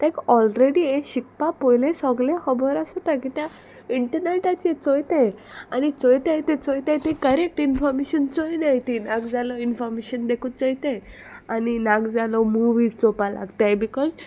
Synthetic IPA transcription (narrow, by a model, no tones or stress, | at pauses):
t̪ẽkɔlɾeɽiẽɕik̚papojlẽsɔɡlẽhəbɔɾasət̪akit̪ja | iɳʈəɾneʈat͡ɕet͡sojt̪ejanit͡sojt̪ajt̪ẽt͡sojt̪ãjt̪ekəɾek̚ʈinfɔɾmeɕənt͡sojnajt̪inãɡd͡zalɔinfɔɾmeɕənd̪ekʰut͡sɔjt̪ẽj | aninaɡd͡zalɔmuʋiːd͡zt͡sopala̰ɡt̪ajbikɔz